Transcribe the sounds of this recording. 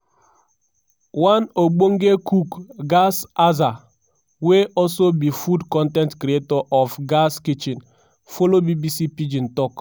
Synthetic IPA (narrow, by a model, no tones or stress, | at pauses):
wanoɡ͡boŋ̩ɡekukɡasaza | weʔɔsobifudkɔntɛntkɾietɔʔɔfɡaskit͡ʃin | folobibisipid͡ʒin̩tɔk